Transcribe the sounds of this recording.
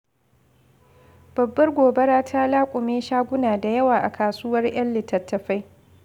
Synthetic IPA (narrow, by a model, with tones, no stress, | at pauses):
b̥ɐ˨bːɐ˦rɡʷoː˨bɐ˦ɾaː˦tʰa˦laː˦kʷʼʊ˨meː˦ʃaː˦ɡʷʊ˦naː˨da˨jɐ˦waː˨ʔa̰˨kʰaː˨suː˦wɐ˦rj̰ɐ˦nlɪ˨tːɐ˨tːɐ˨ɸa˦j